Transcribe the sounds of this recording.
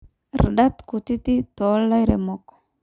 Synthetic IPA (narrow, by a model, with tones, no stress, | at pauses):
ɾɗa˦t̪ku˨t̪i˦t̪i˦t̪o˨˦lːa˦jɾe˨mɔk